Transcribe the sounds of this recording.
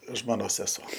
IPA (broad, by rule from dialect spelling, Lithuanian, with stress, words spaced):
ˈʒmoːnoːs sʲɛˈsoː